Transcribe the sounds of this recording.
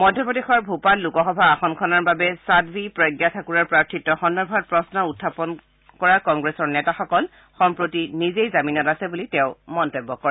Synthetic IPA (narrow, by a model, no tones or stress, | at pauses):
mɔdʱjɔpodexɔɹbʱupatlukɔxɔbʱaːxɔnkʰɔnaɹbabɛsadbʱipɹɔjɡjatʰakuɹaɹpɹaɹtʰitːɔxɔndɔbʱat̚pɹɔsnɔutʰːapɔn | kɔɹakɔŋɡɹesɔɹnɛtaxɔkɔl | xɔmpɹotinizejzaminɔtasɛbulitɛʊmɔntebːɔkɔɹɛ